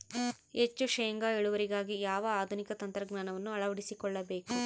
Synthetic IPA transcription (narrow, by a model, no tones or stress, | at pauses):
et͡ʃːuʃɐːŋɡaeɭuʋɐɾiɡaːɡijaːʋɐaːd̪ʱunikɐt̪ɐnt̪ɾɐɡnaːnɐʋɐnːuɐɭɐʋɐɽisikɔɭːɐbeːku